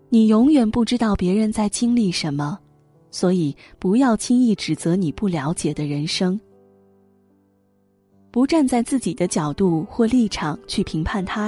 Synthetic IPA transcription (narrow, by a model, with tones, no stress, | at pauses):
ni˨˩jʊ˧˥ŋjɛ˨˩npu˥˩ʈ͡ʂɻ̩˥t̪ɑ˥˩ʊpjɛ˧˥ɻə˧˥nt͡sa˥˩ɪt͡ɕʰi˥ŋli˥˩ʂə˧˥nmə˧ | swɔ˧˥i˨˩ | pu˧˥jɑ˥˩ʊt͡ɕʰi˥ŋi˥˩ʈ͡ʂɻ̩˨˩t͡sɤ˧˥ni˨˩pu˥˩ljɑ˧˥ʊ̯t͡ɕjɛ˨˩d̪ə˦ɻə˧˥nʂɤ˥ŋ | pu˧˥ʈ͡ʂa˥˧nt͡sa˥˧ɪt͡sɹ̩˥˩t͡ɕi˨˩d̪ə˦t͡ɕjɑ˨˩ʊt̪u˥˧xwɔ˥˧li˥˩ʈ͡ʂʰɑ˨˩ŋt͡ɕʰy˥˩pʰi˧˥ŋpʰa˥˩nt̪ʰa˥